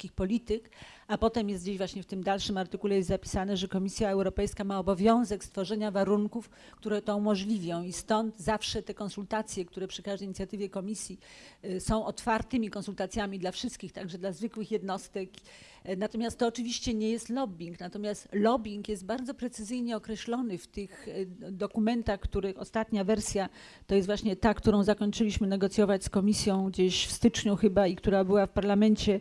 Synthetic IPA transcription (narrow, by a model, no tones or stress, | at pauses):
kʲixpɔlʲit̪ɘk | apɔt̪ɛmjɛst̪̚d͡ʑeʑvwaɕɲɛft̪ɘmd̪alʂɘmaɾt̪ɘkulɛjɛst̪zapʲi̥sanɛʐɛkɔmʲisʲjaɛwɾɔpɛjskamaɔbɔvʲjɔ̃w̃zɛkst̪fɔʐɛɲavaɾuŋkuf | kt̪uɾɛt̪ɔumɔʐlʲivʲjɔ̃w̃ist̪ɔnd̪zafʂɛt̪ɛkɔ̃nsult̪at̪sʲjɛk̚t̪uɾɛpʂɘ̥kaʐd̪ɛjɲit̪ʲjat̪ɘvʲjɛkɔmʲisʲjisɔ̃w̃ʔɔt̪faɾt̪ɘmʲikɔnsult̪at̪sʲjamʲid̪lafʂɘst̪kʲixt̪aɡʐɛd̪lazvɘkwɘxjɛd̪nɔst̪ɛk | nat̪ɔmʲjast̪ːɔːt͡ʂɘvʲiɕt͡ɕɛɲɛjɛst̪lɔbʲiŋknat̪ɔmʲjast̪lɔbʲiŋkjɛst̪̚baɾd̪zɔpɾɛt̪sɘzɘjɲɛɔkɾɛɕlɔnɘft̪ɘxd̪ɔkumɛnt̪axkt̪uɾɘxɔst̪at̪ɲavɛɾsʲja | t̪ɔjɛst̪vwaɕɲɛt̪akt̪uɾɔ̃w̃zakɔɲt͡ʂɘlʲiɕmɘnɛɡɔt̪sʲjɔvat͡ɕʲskɔmʲisʲjɔ̃w̃ɡd͡ʑeɕfst̪ɘt͡ʂɲuxɘbaikt̪uɾabɘwafpaɾlamɛnt͡ɕɛ